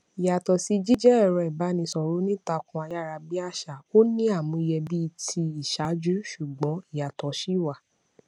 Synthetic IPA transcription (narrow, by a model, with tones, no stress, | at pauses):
i˨ja˨tɔ˨si˧d͡ʒi˦d͡ʒɛ˦ɛ˦˨ɾɔ̃˧i˨ba˨˦nĩ˧sɔ˨ɾo˨˦nĩ˦ta˧kũ˧a˧ja˦˨ɾa˧bi˦a˦˨ʃa˨o˦nĩ˦a˦˨mũ˧i˧˨jɛ˧bi˦˧tʰi˧i˨ʃa˨˦d͡ʒu˦ʃu˦˨ɡ͡bɔ̃˨˦i˨ja˨tɔ˨˦ʃi˦˨wa˦˨